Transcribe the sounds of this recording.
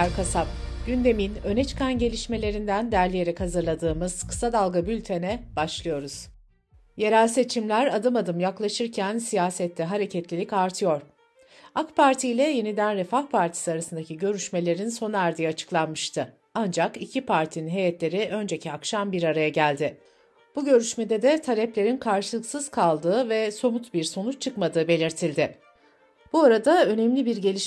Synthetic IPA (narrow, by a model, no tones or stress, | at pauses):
aɾkʰasap̚ɟ̥ynd̪e̞minø̞net͡ʃʰɯ̥kanɟe̞lʲiʃme̞lʲe̞ɾind̪ænd̪æɾlʲije̞ɾɛkhazɯɾlˠad̪ɯːmɯz̥kʰɯ̥sad̪alˠɡabylʲt̪ʰenɛb̥aʃlˠɯjo̞ɾuz̥ | jeɾalʲse̞t͡ʃʰimlʲæɾad̪ɯmad̪ɯmjaklˠaʃɯɾcʰænsijaːsɛt̪lʲɛɦaɾe̞cʰɛt̪lʲilʲicaɾt̪ʰɯjo̞ɾ̥ | akpʰaɾt̪ʰijlʲɛje̞nid̪ænɾɛfahpʰaɾt̪ʰi̥siaɾasɯnd̪acʰiɟø̞ɾyʃme̞lʲe̞ɾinso̞næɾd̪ijat͡ʃʰɯ̥klˠanmɯʃt̪ʰɯ | and͡ʒakicʰipʰaɾt̪ʰininɦe̞jɛt̪lʲe̞ɾiʔø̞nd͡ʒecʰiakʃambiɾaɾajaɟælʲd̪ɪ | b̥uɟø̞ɾyʃmed̪ɛd̪ɛt̪ʰalʲɛplʲe̞ɾinkʰaɾʃɯlˠɯksɯz̥kʰalˠd̪ɯːvɛso̞mut̪biɾso̞nut͡ʃt͡ʃʰɯkmad̪ɯːbe̞lʲiɾt̪ʰilʲd̪ɪ | b̥uaɾad̪aø̞nɛmlʲibiɾɟelʲiʃ